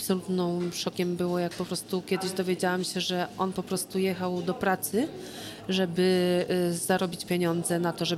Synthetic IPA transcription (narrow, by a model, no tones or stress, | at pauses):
apsɔlut̪nɔ̃w̃ʂɔkʲɛmbɘwɔjak̚pɔpɾɔst̪ukʲjɛd̪ɘʑd̪ɔvʲjed͡ʑawamɕɛʐɛʔɔnpɔpɾɔst̪ujɛxawd̪ɔpɾat̪sɘ | ʐɛbɘ | z̥aɾɔbʲit͡ɕpʲjeɲɔnd̪zɛnat̪ɔʐɛ